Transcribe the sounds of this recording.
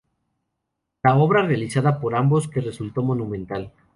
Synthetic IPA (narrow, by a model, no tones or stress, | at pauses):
lao̞βɾarealisaðapo̞ɾambo̞ske̞re̞sult̪o̞mo̞nũmẽ̞nt̪al